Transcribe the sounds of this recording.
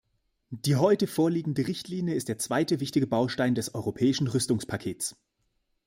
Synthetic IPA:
d̥iːɦɔʏtəfoːɐliːɡŋ̩dəʁɪçtʰliːnjəɪst̚d̥eːɐt͡sv̥aɪtəvɪçtɪɡəbaʊʃtaɪndɛsʔɔʏʁopʰɛːɪʃn̩ʁʏstʊŋspʰakʰeːt͡s

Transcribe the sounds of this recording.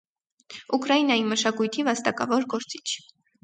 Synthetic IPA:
ukɾɑjinɑjiməʃɑkujt̪ʰivɑst̪ɑkɑvɔɾɡɔɾt͡si̥t͡ʃʰ

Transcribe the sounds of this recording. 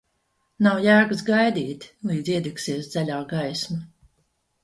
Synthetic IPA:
nawjæːɡɨsɡajd̪iːt̪lˠiːd̪ziɛd̪iksiɛsd̪z̥alʲaːɡajsma

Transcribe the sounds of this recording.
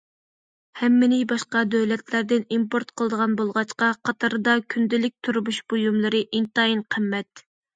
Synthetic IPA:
hɛmːɪnɪbɑʃqɑd̪øwlɛt̪ʰlæɾd̪ɪnimpoɾt̪qʰəlˠəd̪əʁɑnbolˠʁɑt͡ʃqɑqʰɑt̪ʰɑɾɨd̪ɑkʲʰynd̪ɪlɪk̚ʲt̪ʰuɾmuʃb̥ujumlˠɨɾɨʔint̪ɑjinqʰəmːɛt̪̚

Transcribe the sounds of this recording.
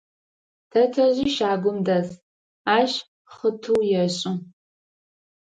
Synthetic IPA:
tʰɐtʰɐʑiːʃaːɡʷʊmdɐz | aːɕ | χətʰuwjɛɕʼɪ

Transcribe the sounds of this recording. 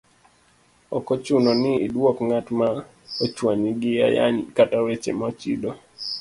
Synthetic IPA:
ɔkɔt͡ʃunɔnɪːdwɔkŋatma | ot͡ʃwaɲiɡɪja̰ja̰ɲkatawet͡ʃḛmat͡ʃidɔ

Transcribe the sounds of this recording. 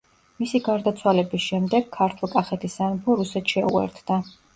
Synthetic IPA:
misiɡaɾd̪at̪sʰwalɛbisʃɛmd̪ɛɡ̥̚kʰːaɾt̪ʰulˠkʼaχɛt̪ʰisanpʰɔɾusɛt̪ʃɛṵɛ̰ɾt̪ʰd̪a

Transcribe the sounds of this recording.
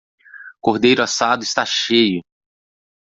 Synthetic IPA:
koɾd̪ejɾʊasad̪ʊɪst̪aʃejʊ

